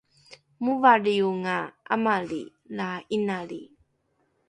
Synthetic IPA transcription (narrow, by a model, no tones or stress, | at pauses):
muvaɾiuŋaa̰maɭḭ | lainaɭi